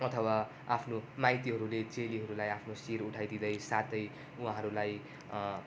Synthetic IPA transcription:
ʌt̪ʰʌwa | apʰnomajt̪iɦʌɾulet͡seliɦʌɾulajapʰnosiɾuʈʰajd̪id̪ʌjsat̪ʌj | ũɦãɦʌɾulaj

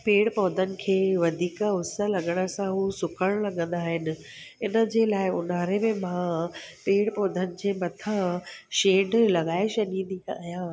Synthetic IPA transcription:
peːɽpɔːd̪ʱənɪ̆kʰeːʋɐd̪ʱiːkəɦʊsə̆lɐɠəɽ̃ə̆sãɦuːsʊkʰəɽ̃lɐɠə̃n̆d̪aːɦɪnɪ̆ | ɪnə̆d͡ʑeːlaːɪʊnaːɾemẽmãpeːɽpɔːd̪ʱənɪ̆d͡ʑeːmɐt̪ʰãʃeːɖlɐɠaːɪʃɐnĩnd̪iajaː

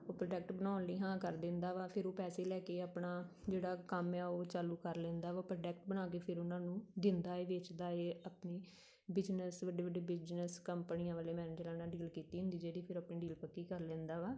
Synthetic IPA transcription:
oːpɾəɖək̚ʈbənaːnliːɦãːkəɾd̪ɪ̃nd̪aːʋaːpʰɪɾoːpɛːseːlɛːkeːaːpɳaː | d͡ʒeːɽaːkəmɛːoːt͡ʃaːluːkəɾlẽːnd̪aːʋaːpɾəɖɛːk̚ʈbənaːk̬eːpʰɪɾʊnãːnũːd̪ɪnd̪aːeːʋet͡ʃd̪aːeːapniː | bɪd͡ʒnəsʋəɖiːʋəɖiːbɪd͡ʒnəskəmpəniːãːʋəːleːmɛːnɪːd͡ʒəlãːnaːɖiːlkiːt̪iːɦʊ̃nd̪iːd͡ʒeːɽiːpʰɪɾapniːɖiːlpəkːiːkəɾlẽːnd̪aːʋaː

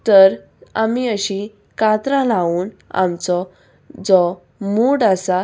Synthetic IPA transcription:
t̪əɾ | a̰miəɕĩ | kat̪ɾãlauːna̰mt͡sɔ | d͡zɔ | muɽasa

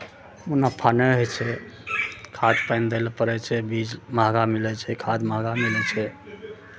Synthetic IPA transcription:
munapʰanɛɦojt͡ʃʰɛ | kʰad̪pajnd̪elpəɾɛt͡ʃʰɛbid͡ʒmaɦɡamilɛt͡ʃʰɛkʰad̪maɦɡamilɛt͡ʃʰɛ

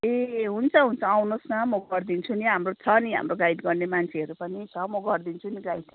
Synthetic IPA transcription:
eɦunt͡sʰʌɦunt͡sʰʌawnosnʌmʌɡʌrd̪int͡sʰuniɦamrot͡sʰʌniɦa̰mroɡajʈɡʌrnemant͡sʰeʌɾupʌnit͡sʰʌmʌɡʌrd̪int͡sʰuniɡajʈ

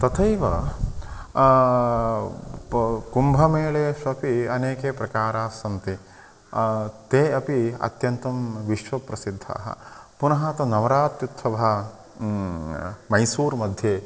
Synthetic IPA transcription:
t̪ɐt̪ʰɐjʋɐ | kumbʱɐmeːɭeːʃɐpiɐneːkeːpɾɐkaːɾaːsɐnt̪i | t̪eːɐpiɐ̰t̪jɐnt̪ɐmʋiʃʋɐpɾɐsid̪ʱːa̰ːɦɐ̰punɐɦaːt̪ɐnɐʋɐɾaːt̪jut̪ʰʋɐʋɐɦɐ | mɐjsuːɾmɐd̪ʱjeː

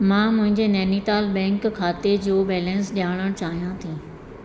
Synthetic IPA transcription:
mãːmʊ̃ɦɪ̃ɲd͡ʑenɛːnit̪aːlbɛ̃ːŋkkʰːaːt̪ed͡ʑoːbɛːlɛ̃nsɗaːɽ̃əɽ̃t͡ɕaːɦijãt̪ʰĩː

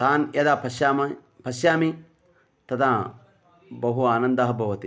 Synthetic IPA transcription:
t̪aːnjɐd̪aːpʰɐʃjaːmɐ | pɐsjaːmi | t̪ɐt̪ʰa | bɐɦuaːnɐnd̪ɐɦɐbʱɐʋɐt̪i

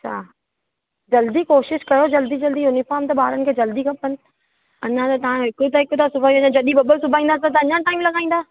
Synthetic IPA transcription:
ɐt͡ɕʰa̰ː | d͡ʑɐld̪ikoːʃɪʃkɐjod͡ʑɐld̪id͡ʑɐld̪iʊnifɔːɾmt̪ɐɓaːɾənɪ̆kʰeːd͡ʑɐld̪ikʰɐpənɪ̆ | ɐɲãt̪ɐt̪ɐãɦɪkut̪ɐɦɪkʊt̪asʊbʱaːiɐɲãd͡ʑɐɗibɐbəɾsʊbʱaːĩːnd̪asat̪̬ɐɐɲãʈaːɪmlɐɡaːĩːn̆d̪aː

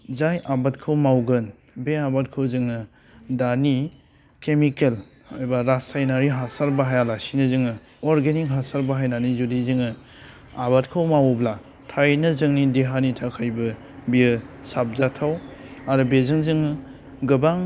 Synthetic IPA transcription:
zajʔabatkʰɯwmawɡɯn | beabat̚kʰɯwzɯŋɯ | dani | kemikel | abaɾasajnaɾiɦasaɾbaɦajalasinɯzɯŋɯ | ɔɾɡenik̚ɦasaɾbaɦajnanizudizɯŋɯ | abatkʰɯwmawbla | tʰajnɯzɯŋnideɦanitʰakʰajbɯ | biɯsap̚zatʰawaɾɯbezɯŋzɯŋ | ɡɯbaŋ

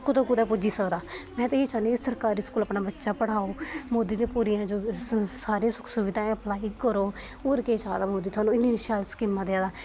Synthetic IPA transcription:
kːʊt̪õːkud̪aːpʊd͡ʒiːsəkd̪aːmɛ̃ːt̪eiːt͡ʃaːniɪst̪əɾkaːɾiːskuːlaːpnaːbətːʃaːpəɽaːoːmoːd̪iːd̪ẽːpuːɾiːãːd͡ʒoːsaːɾeãsʊksʊʋɪd̪ʱãːəplaːiːkəɾoː | oːɾkeːt͡ʃaːd̪aːmoːd̪iːt̪ʰʊaːnũːɪnːiːnɪʃaːlskɪːmːãːd̪ɪaːd̪aː

